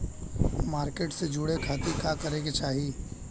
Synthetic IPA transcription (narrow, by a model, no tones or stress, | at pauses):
maːɾkeːʈsed͡ʒʊɽekʰaːt̪ikaːkɐɾeɡet͡ʃaːɦi